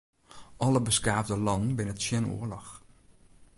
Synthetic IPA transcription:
ʔɔləbəskaːvdəlɑnn̩bɪnətsjɛno̰ːəlɔx

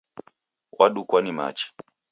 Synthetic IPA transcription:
wʔaɗukwanima̰t͡ʃi̥

